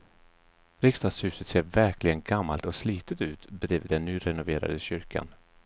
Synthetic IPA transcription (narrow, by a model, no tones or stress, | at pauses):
ɾɪkst̪ɑːd̪shʉ̟ːsət̪seːɾvæɾkʰlɪɡənɡamːalt̪ɔksliːt̪ət̪ʉ̟ːt̪bɛd̪ɾiːvəd̪ɛnːyːɾɛnʊveːɾa̰d̪əɕʏɾkʰa̰n